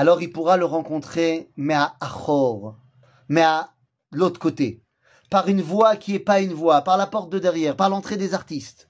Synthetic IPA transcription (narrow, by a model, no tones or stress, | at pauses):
alɔʁilpuʁaləʁɑ̃kɔ̃t̪χemɛaaχɔʁ | mɛa | əlot̪χəkot̪e | paʁynvwakʲiɛpaynvwapaʁlapɔʁt̪̚d̪əd̪ɛʁjɛːʁpaʁlɑ̃t̪χed̪ezaʁt̪ist̪